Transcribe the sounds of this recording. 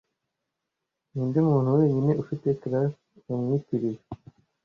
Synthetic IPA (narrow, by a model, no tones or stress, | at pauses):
niːndimuːn̥huwe̞ːɲine̞ʔufite̞tɾas | umɲitiɾije